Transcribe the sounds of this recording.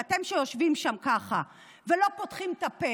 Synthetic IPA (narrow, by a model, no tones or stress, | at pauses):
at̪e̞mʃejo̞ʃvimʃamkaχa | velo̞pot̪χimt̪ape